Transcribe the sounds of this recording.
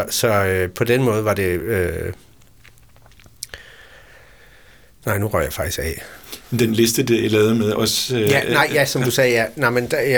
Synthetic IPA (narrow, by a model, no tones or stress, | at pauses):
sɒ̽øpʰɒ̽d̥enmɔ̽ːð̞̩ˠʋɑ̈d̥e̝ø | nɑ̈ɪ̰nuʁɶ̰ɐ̰jɑ̈fɑ̈ɡ̥isɡ̥ɛ̰ːmend̥enle̝sd̥əd̥elɛːʊðˠmeðˠɒ̽sjænɑɪ̰jæsɒ̽md̥usɛːjænɑmend̥j